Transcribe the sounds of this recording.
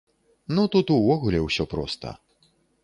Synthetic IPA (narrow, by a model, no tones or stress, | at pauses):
nut̪ut̪uvɔɣulʲɛwsʲɔpɾɔ̰st̪ɐ̰